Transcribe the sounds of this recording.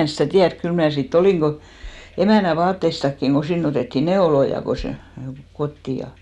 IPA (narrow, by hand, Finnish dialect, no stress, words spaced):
en̞ stæˑ tiærk kyl mnæˑ sitː oliˑ emæˑnæ ʋɑːtːeistɑkːiŋ ko sinː oteˑtːiˑ neolojɑ ko se kotːi jɑ